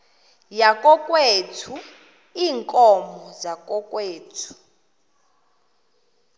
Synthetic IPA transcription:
jakʼɔkʼwetʰu | iːŋkʼɔmɔzakʼɔkʼweːtʰu̥

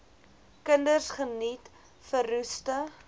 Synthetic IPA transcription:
kəndərsχənit | fəɾustə

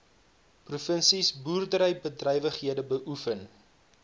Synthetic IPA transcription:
prufənsisbuːrdəɾəjbədrɛjvəχɦiədəbəʔufən

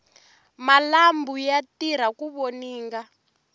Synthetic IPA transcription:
malambujatiɾ̤akuβoniːŋɡa

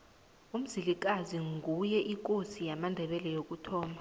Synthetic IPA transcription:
um̩zilik̬ʼaziŋɡʱujɛʔik̬ʼosijamandʱɛɓɛlɛjok̬ʼutʰɔːma

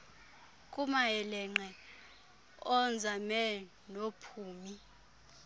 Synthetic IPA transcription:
kʼumaɛlɛŋ͡ǃɛ | ɔnd͡zʱamɛ | nopʰuːmi

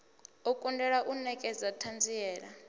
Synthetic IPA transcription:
okʼundʱɛlaʔunɛkʼɛzatʰand͡zʱijɛːla

